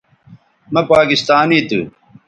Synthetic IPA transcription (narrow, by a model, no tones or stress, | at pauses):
mɐpaːkist̪aːnit̪ṵ